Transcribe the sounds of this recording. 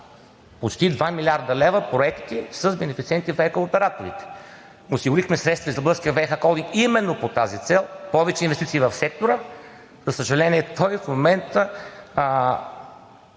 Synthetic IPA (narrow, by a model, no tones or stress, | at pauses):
pot͡ʃt̪id̪vamilʲiaɾd̪ɐlɛvəpɾoɛkt̪isəzbɛnɛfit̪siɛnt̪ifɛkəopɛɾat̪oɾḭt̪ɛ̥ | osiɡʊɾixmɛsɾɛt̪st̪vɐizəblˠəskiɐvɛxakɔlˠd̪iŋimɛnːopot̪azit̪sɛlˠpɔvɛt͡ʃɛinvɛst̪it̪iːvɐfsɛk̚t̪oɾə | zəsəʒɛlɛniɛt̪ɔjfmomɛnt̪ə